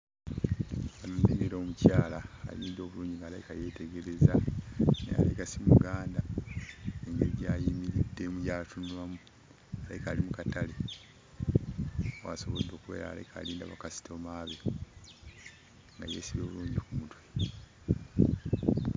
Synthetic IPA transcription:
βanundeŋeɾoːmucaːla̰ːliːndo̞ːβuluːɲɟiŋɡaːlaikaje̞te̞ɡe̞ɾe̞zanḛa̰laikasimuɡaːnda | eŋɡeɾiɟaːjimiɾidːe̞mujaːlatunwamu | alaikaːlimukatale | wa̰so̞βo̞d̪ːo̞ːkuwe̞̰ːɾa̰la̰ikʰa̰ːliːnda̰βakasi̥tʰomaːβe̞ | ŋɡajḛːsiβjo̞ːβuluːɲɟikumutwe

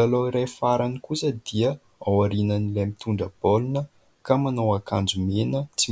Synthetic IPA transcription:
aloiɾajfaɾanikusəd̪iə | awaɾinənilajmit̪ʰuɳɖ͡ʐəb̥olunə | kamanowakand͡zumenət͡si

